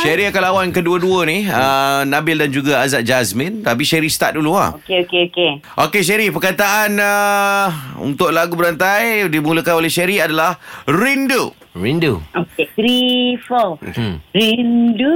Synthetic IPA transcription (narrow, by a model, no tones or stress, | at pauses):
ʃɛɾiakalawankəduəduəniənabɪldand͡ʒuɡaazaʔ̚d͡ʒasmə̃nt̪ap̬iʃɛɾist̪a̰ʔ̪̚dulua̰okeokeoke | ʔokeʃ̬ɛɾipəkat̪aʔanə | ṵnt̪ʊʔlaɡubəɾant̪ajdimuləkanolɛʃɛɾiadalahɾindu | ɾinduoketɾifəlo̰kɾindu